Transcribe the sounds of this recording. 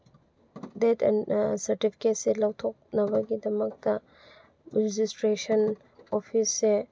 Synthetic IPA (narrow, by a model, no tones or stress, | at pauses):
detʰɛ̰nsɐɾtipʰi̥ket̚selɐwtʰok̚nɐβɐɡidɐmɐk̚tɐ | ɾed͡ʒistɾesɐn | opʰisːe